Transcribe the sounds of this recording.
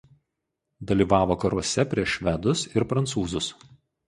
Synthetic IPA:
d̪ɐlʲiːʋɑːʋoːkɐɾuɔsʲɛpʲɾʲiɛʃʃʲʋʲɛd̪ʊsɪɾpɾɐnt̪suːzʊs

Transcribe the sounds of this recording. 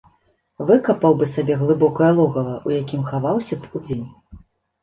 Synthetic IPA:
vɨkɐpɐwbɨsabʲɛɣlˠɨbɔkɐjɐlˠɔɣɐvɐʔujakʲimxavawsʲɐpud͡zʲenʲ

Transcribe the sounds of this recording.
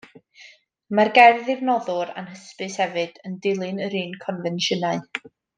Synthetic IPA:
marɡɛrðɪvnɔðʊɾa̰nhəspɨshɛvɨd̥əndɪlˠɨnəɾiːnkʰɔnvɛnʃənaɨ

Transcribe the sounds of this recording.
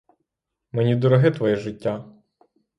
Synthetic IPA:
menʲid̪ɔɾɔɦɪt̪ʋɔjɛʒɪtʲːa

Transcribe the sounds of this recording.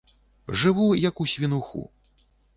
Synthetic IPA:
ʐɨvujɐkusʲvʲinuxṵ

